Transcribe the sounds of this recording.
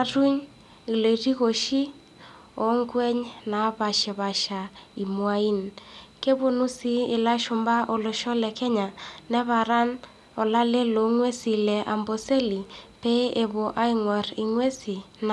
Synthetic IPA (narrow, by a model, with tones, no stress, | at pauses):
ru˦ɲ | i˨le˨i˨ri˦ɣo˨ʃi˦ | ɔ˨˦ŋɡwɛ˦ɲna˨βa˨ʃe˨βa˨ʃa˨i˨mwa˦i˦nke˦βo˦nu˦si˦ɪ˨la˦ʃʊ˨mba˦ʔo˨lo˨ʃɔ˦lɛ˨kʰɛ˦ɲa˨nɛ˦βa˨ɾa˦n | ɔ˨la˦le˦lo˨ŋwe˦si˨lɛ˨ʔa˨mbo˨se˦li˨pe˦e˨βo˨ʔa˦i˦ŋwɔ˨ri˨ŋwe˦si˨n